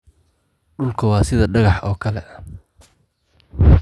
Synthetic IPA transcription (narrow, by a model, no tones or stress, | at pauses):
ɖʊlkʰɐwɑːsɪðɐɖɐɣɑħɔːkʰɐlɛ